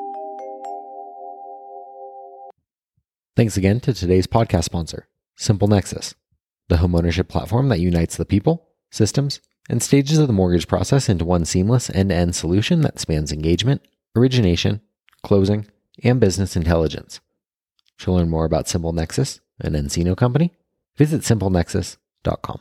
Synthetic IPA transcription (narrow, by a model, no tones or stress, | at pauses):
θæ̃ŋksɨɡɛ̃ntʰɨtʰɨdeɪz̥pʰɑd̚kʰæstspɑ̃nsə̰˞ | sɪ̃mpl̩ˠnɛksɨ̰s | ðɨɦõʊmõʊnə˞ʃ̬ɨpʰl̥æ̰tfɔɹmðɨt͡ʃ̚jʉnaɪtsðəpʰipl̩ˠ | sɪstə̃mz̥ | ʔɨ̃nsteɪd͡ʒɨzʌvðəmɔɹɡɨd̥ʒ̥pʰɹ̥ɑ̰sɛsɪ̃ntuwʌ̃nsĩmləsɨ̰̃nɛ̃nsəlʉʃɨ̃nðɨ̰tspæ̃ndzɨ̃nɡeɪd͡ʒmɨ̃nt | ə˞ɪd͡ʒɨneɪʃɨ̰̃n | kʰl̥oʊzɪ̃ŋ | ɨ̃nbɪznɨsɨ̃ntʰɛlˠəd͡ʒɨ̰̃ns | ʃəlɜ̃˞nmɔɹəbaʊtsɪ̃mpl̩ˠnɛksɨs | ʔɨ̰̃nɛ̃nsiñoʊkʰʌ̃mpəni | vɪzɨtsɪ̃mpl̩ˠnɛksɨ̰s | d̥ɑ̰t̚kʰɑ̰̃m